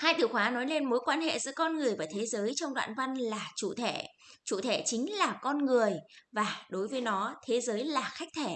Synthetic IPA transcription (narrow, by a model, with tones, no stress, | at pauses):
haː˧jt̪ɨ˧˩xwaː˨˦nɔ˨˦jle˧nmo˨˦jkwaː˧nhḛ˧˨zɨ̰˧˥əkɔ˧nŋɨ˨˩əjvaː˨˩t̪ʰe˨˦zəː˨˦jt͡ɕɔ˧wŋ͡mɗwa̰ː˧˨nva˧nlaː˨˩t͡ɕṵ˧˨t̪ʰe˧˩˨ | t͡ɕṵ˧˨t̪ʰe˧˩t͡ɕï˨˦ŋ̟laː˨˩kɔ˧nŋɨ˨˩əjvaː˨˩ɗo˨˦jvəː˨˦jnɔ˨˦t̪ʰe˨˦zəː˨˦jlaː˨˩xa˦˥jk̚t̪ʰe˧˩˨